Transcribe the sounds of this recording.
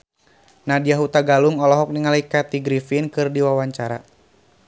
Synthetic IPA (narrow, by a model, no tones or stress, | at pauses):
nadijaɦut̪aɡaluŋɔlɔɦɔk̚niŋalikat̪iɡɾifinkɨrdiwawaɲt͡ʃaɾa̰